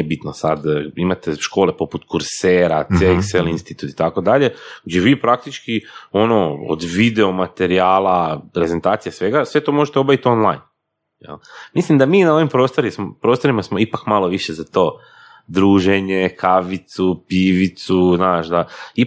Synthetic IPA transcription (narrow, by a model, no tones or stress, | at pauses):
ebit̪nosad̪imat̪eʃko̞ːlepo̞put̪kuɾseːɾat̪sjelikselinst̪it̪ut̪i̥t̪ako̞d̪aʎe̞ɡd͡ʑeʋiːpɾak̚t̪it͡ʃkio̞noo̰d̪ʋid̪eomat̪e̞ɾiaːlˠapɾe̞ze̞nt̪aːt̪sijasʋe̞ɡasʋe̞t̪o̞ːmo̞ʒet̪eo̞baʋit̪o̞nlˠa̰jn | jḛlmislimd̪amiːnao̞ʋimpɾo̞ːst̪o̞ɾismopɾo̞ːst̪o̞ɾimasmo̞ipakmalˠo̞ʋiʃezat̪o̞ː | d̪ɾuːʒeɲekʰaʋit̪supiʋit̪suznaːʃd̪ai